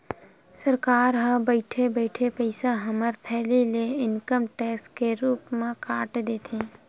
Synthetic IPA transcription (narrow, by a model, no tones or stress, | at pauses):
səɾkaːɾɦə̃bəɪʈʰebəɪʈʰepəɪsaɦəməɾt̪ʰɛːlileɪnkəmʈɛːkskeɾuːpmẽkaːʈd̪eːt̪ʰẽː